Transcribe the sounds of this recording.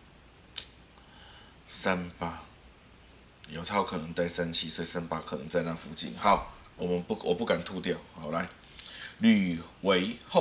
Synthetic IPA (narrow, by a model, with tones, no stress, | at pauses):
sa˦npa˦ | jo˨˩ʊt̪ʰa˥˩ʊkʰɤ˨˩nɤ˧˦ŋt͡sa˥˩ɪsa˦nt͡ɕʰi˥swɔ˦˥i˨sa˦npa˦˥kʰɤ˨˩nə˧˦ŋt͡sa˥˧ɪnã˥˨fu˧˥t͡ɕḭ˥˨nha˨˦ʊ | wɔ˨˩mə˨˦nwʔɔ˨˩pu˥˩ka˨˩nt̪ʰu˥˧t̪jɑ˥˨ʊha˨˩ʊla˧˦ɪ | ly˨˩we˨˦ɪho˥˨